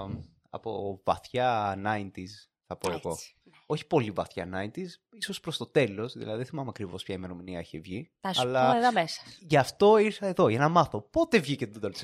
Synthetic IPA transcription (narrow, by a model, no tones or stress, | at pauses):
ɐ̰po̞vɐθçɐnɐint̪is | θɐpoeɣo̞ | o̞çi̥po̞livɐθçɐ̰nɐint̪isiso̞spɾo̞st̪o̞t̪e̞lo̞sðḭlɐ̰ðiðeθimɐmeɐkɾivo̞spçɐime̞ɾominiɐeçevʝi | ɐsɐlɐðomesɐ̥ʝɐft̪o̞iɾθɐe̞ðo̞ʝɐnɐmɐθo̞po̞t̪e̞vʝicet̪d̪d̪ols